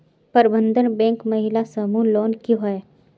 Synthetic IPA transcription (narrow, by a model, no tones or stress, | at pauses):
pɐɾbə̃nd̪ʱənbɛ̃ːŋkmɐɦɪlasəmuloːnkiɦoe